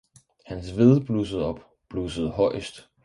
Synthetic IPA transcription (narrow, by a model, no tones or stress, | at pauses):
hænsʋe̝ðˠb̥luːs̬əð̩ˠɒ̽b̥ | b̥luːsəð̞̩ˠɦɒ̽ɪ̰əsd̥